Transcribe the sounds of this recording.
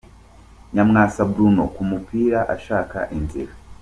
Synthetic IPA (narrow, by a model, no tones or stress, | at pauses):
ɲamŋasabɾunɔ̰kumupiɾaʔaʃaka̰ʔindḭɾa